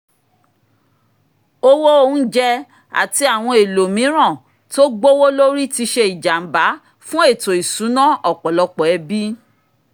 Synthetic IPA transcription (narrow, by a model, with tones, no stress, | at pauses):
o˦wo˦o˦˧ũ˦d͡ʒɛ˦ | a̰˨ti˧a˨w̃ɔ̃˧e˨lo˨mĩ˨˦ɾ̃ã˦˨ | to˦ɡ͡bo˦wo˦lo˦ɾi˦ti˧ʃe˧i˨d͡ʒa˨m̩˨˦ba˨˦ | fũ˦e˦˨to˨i˨sũ˨˦nã˦ʔɔ˦˨k͡pɔ˨lɔ˧k͡pɔ˨ɛ˨˧bi˦